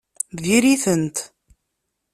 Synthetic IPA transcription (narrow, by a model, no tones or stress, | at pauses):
ðiɾiθənt̪